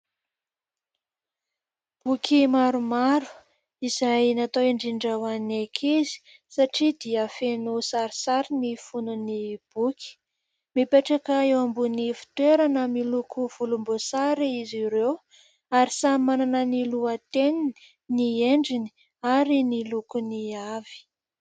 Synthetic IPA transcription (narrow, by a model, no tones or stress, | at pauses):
b̥ukʰʲimaɾumaɾu̥ | izajnat̪oeɳɖ͡ʐiɳɖ͡ʐawanekʰizi̥ | saʈ͡ʂid̪iəfenusaɾisaɾinifununib̥ukʰʲi̥ | mipeʈ͡ʂakaewambunifi̥t̪weɾanəmilukʰuv̥ulumbosaɾiiziɾew | aɾisamananəniluət̪enini | nieɳɖ͡ʐini̥ | aɾinilukuniavi̥